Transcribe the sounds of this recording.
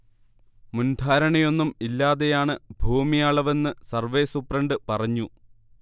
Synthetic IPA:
mund̪ʱaːɾɐɳɐjo̞nːumilːaːðe̞jaːɳɨbʱuːmijaːɭɐʋe̞nːɨsɐrʋe̞ːsupːrɐɳɖɨpɐrɐɲːu

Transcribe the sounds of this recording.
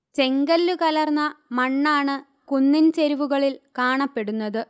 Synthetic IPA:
t͡ɕe̞ŋɡɐlːukɐlɐrnːɐmɐɳːaːɳɨ | kunːint͡ɕeɾiʋuɣɐɭilkaːɳɐpːe̞ɽunːɐðɨ

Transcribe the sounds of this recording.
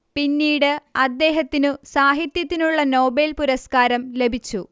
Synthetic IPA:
pinːiːɽɨɐd̪ːe̞ːɦɐt̪ːinɨsaːɦit̪jɐt̪ːinuɭːɐno̞ːbelpuɾɐskaːɾɐmle̞bʱit͡ɕːu

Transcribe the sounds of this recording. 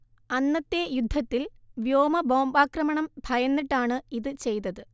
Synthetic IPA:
ɐnːɐt̪ːe̞jud̪ʱːɐt̪ːilʋjoːmɐbo̞ːmbaːkrɐmɐɳɐmbʱɐjɐnːiʈːaːɳɨiðɨt͡ɕe̞jt̪ɐðɨ

